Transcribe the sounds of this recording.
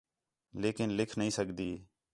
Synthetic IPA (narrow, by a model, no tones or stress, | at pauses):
leːkɪnlɪkʰnəɦĩːsəkd̪iː